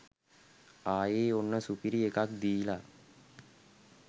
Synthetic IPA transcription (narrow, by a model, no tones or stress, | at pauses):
aːjeːonːəsupiɾiekak̚d̪ijla